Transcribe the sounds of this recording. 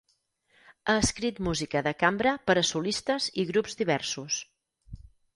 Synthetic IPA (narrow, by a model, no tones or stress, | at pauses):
əːskɾit̪muzikəðəkambɾəpəɾəsulist̪əziɣɾupzðiβ̞ɛɾsus